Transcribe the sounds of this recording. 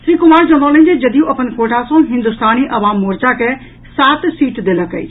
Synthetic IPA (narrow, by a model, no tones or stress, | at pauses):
sɾiːkʊmaːɾd͡ʒɐ̃ɽõːləɦɪ̃ɲd͡ʑed͡ʒɐd̪ijũʔɐpənkoːʈʰasãɦɪ̃nd̪ʊst̪aːniʔɐʋaːmːoːɾd͡ʒakʰe | saːt̪siːʈd̪eləkəḭː